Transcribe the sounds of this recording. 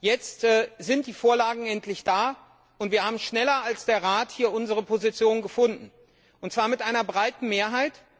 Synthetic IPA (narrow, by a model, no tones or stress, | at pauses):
jɛt͡stɛːzɪnt̚d̥iːfoːɐlaːɡŋ̩ɛntʰlɪçd̥aː | ʔʊntv̥iːɐhaːbm̩ʃnɛlɐalsd̥eːɐʁaːthiːɐʔʊnzəʁəpʰozit͡sjoːnnɡəfʊndn̩ | ʔʊntt͡sv̥aːɐmɪtʔaɪnɐbʁaɪtn̩meːɐɦaɪt